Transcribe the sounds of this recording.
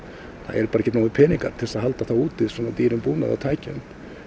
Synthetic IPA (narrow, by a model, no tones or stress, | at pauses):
θa̰ɛɾpaːɾaɛçcːɛt̪naːwɪpʰɛːniŋkaɾ̥t̪ʰɛsaðɦalt̪aθawuːt̪ɪðsɔːnat̪iːɾʏmpuːna̰ða̰t̪ʰaːjcɛ̰nt̪